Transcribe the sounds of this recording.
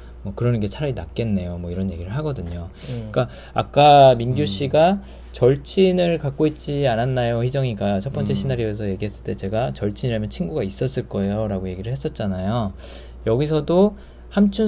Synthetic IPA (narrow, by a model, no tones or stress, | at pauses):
mwʌkɯɾʌnɯnɡe̞t͡ɕʰaɾainak̚k͈e̞nːe̞jomwʌiɾʌnje̞ɡiɾɯɭɦaɡʌdɯɲo | ik͈a | ak͈aminɡjuɕ͈ʰiɡa | t͡ɕʌɭt͡ɕʰinɯɭkak͈̚oit̚t͡ɕ͈iananːajoçid͡ʑʌŋiɡat͡ɕʰʌp͈ʌnt͡ɕ͈ʰe̞ɕʰinaɾiʌesʰʌje̞ɡiɦe̞s͈ɯɭt͈e̞t͡ɕe̞ɡat͡ɕʌɭt͡ɕʰiɲiɾamjʌnt͡ɕʰinɡuɡais͈ʌs͈ɯɭk͈ʌejoɾaɡoje̞ɡiɾɯɭhes͈ʌt̚t͡ɕ͈anajo | jʌɡis̬ʰʌdo | hamt͡ɕʰu